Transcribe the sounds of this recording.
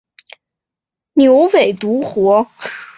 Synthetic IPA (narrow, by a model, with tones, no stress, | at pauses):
njo˧˥ʊwe˨˩ɪt̪u˧˥xwɔ˧˥